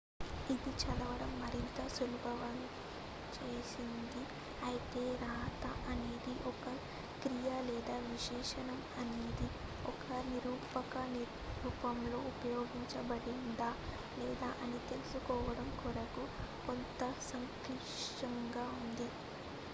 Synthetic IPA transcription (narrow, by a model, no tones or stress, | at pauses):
id̪it͡ʃɐd̪ɐʋɐɽɐmːɐɾint̪ɐsulubʱɐʋan | t͡ʃeːsind̪i | ɐjit̪e̞ːɾaːt̪ɐʔɐneːd̪iʔɔkɐ | kɾijɐlɛːd̪aːʋiʃɛːʂɐnɐmɐneːd̪i | ɔkɐniɾuːpɐkɐni | ɾuːpɐmlo̞ːʔupɐjo̞ːɡiɲt͡ʃɐbɐɽind̪a | lɛːd̪aːʔɐnit̪e̞lusukɔːʋɐɽɐmkuɾɐkukɔnt̪ɐsɐŋkɾiʂʈɐŋɡaːund̪i